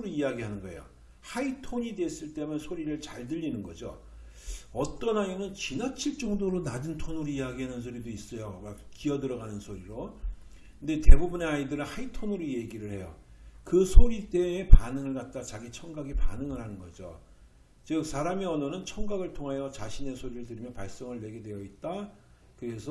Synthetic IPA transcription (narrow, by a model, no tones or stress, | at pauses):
ɾoiaɡiɦanɯnɡʌḛjo̰ | haitʰoɲide̞s͈ɯɭt͈e̞mɯnsʰoɾiɾɯɭt͡ɕaɭdɯʎːinɯnɡʌ̰d͡ʑo̰ | ʌt͈ʌnainɯnt͡ɕinat͡ɕʰiɭt͡ɕ͈ʌŋdoɾonad͡ʑɯntʰonɯɾoiaɡiɦanɯnsʰoɾidois͈ʌjomak̚k͈iʌdɯɾʌɡanɯnsʰoɾiɾo | knde̞te̞bubune̞aidɯɾɯnhaitʰonuɾije̞ɡiɾɯɭhe̞jo | kɯsʰoɾit͈e̞ːpanɯŋɯɭkat̚t͈at͡ɕaɡit͡ɕʰʌŋɡaɡepa̰nɯŋɯɾhanɯnɡʌ̰d͡ʑo̰ | t͡ɕɯk̚sʰaɾamiʌnʌnɯnt͡ɕʰʌŋɡaɡɯɭtʰoŋɦajʌt͡ɕaɕʰine̞sʰoɾiɾɯɭtɯɾimjʌpaɭs͈ʌŋɯɭːe̞ɡe̞dwe̞jʌit̚t͈a | kɯɾe̞sʰʌ